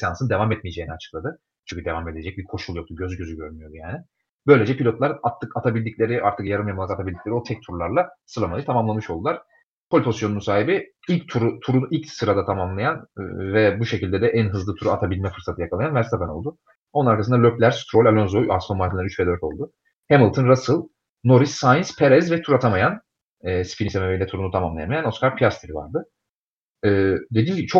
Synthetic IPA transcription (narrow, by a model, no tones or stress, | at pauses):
sjansɯnd̪e̞vamɛt̪̚mijed͡ʒeiniat͡ʃʰɯ̥klˠad̪ɯ | t͡ʃʰyɲʲcʰyd̪e̞vame̞d̪e̞d͡ʒɛc̚bikʰo̞ʃulˠjo̞k̚t̪ʰuɟø̞zɟøzyɟøɾmyjo̞d̪ujaːnɪ | b̥ø̞jlʲe̞d͡ʒɛpʰilʲo̞t̪lˠaɾat̪ʰːɯkat̪ʰabilʲd̪icʲlʲe̞ɾiʔaɾt̪ʰɯkjaɾɯmjamaakat̪ʰabilʲd̪icleio̞t̪ʰɛc̚t̪ʰuɾlˠaɾlˠasɯɾlˠamaɯjɯt̪ʰamamlˠanmɯʃo̞lˠd̪ulˠaɾ̥ | kʰolʲpʰozsjo̞nusaːɦibiilʲct̪ʰuɾut̪ʰuɾunilʲcsɯɾad̪at̪ʰamamlˠajanvɛbuʃecilʲd̪ɛd̪ɛʔænɦɯzlˠɯt̪ʰuɾuat̪ʰabilʲmɛfɯɾsat̪ʰɯjakʰalˠajanvæɾst̪ʰabano̞lˠd̪u | o̞nnaɾkʰasɯnd̪alʲøplʲæɾst̪ɾolʲalʲonzoasfonmaɾt̪ʰilʲˠaɾyt͡ʃpʰed̪øɾt̪ʲʰo̞̰lˠd̪ʊ | hemilˠt̪ʰɯnɾasɯlˠ | no̞ɾisːajnspʰeɾɛzvɛt̪ʰuɾat̪ʰamajan | ɛːspʰinisemeveilʲɛt̪ʰuɾunut̪ʰamamlˠajamajano̞skaɾpʰijast̪ʰiɾiva̰ɾd̪ɯ | ɯːd̪e̞d̪iːnɟibit͡ʃʰo